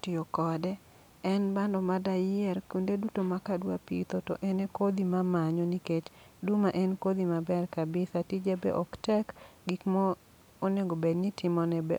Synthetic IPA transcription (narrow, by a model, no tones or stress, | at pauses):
tiokɔdɛ | ɛnbandɔmadajɪɛrkundedutomakadwapḭt̪oto̰ʔɛnekod̪imamaɲɔniket͡ʃ | dumaʔɛnkod̪imabɛrkabɪsatid͡ʒebɛ̰ʔɔktɛkɡikmɔ | oneɡobednitʰɪmɔnɛbɛ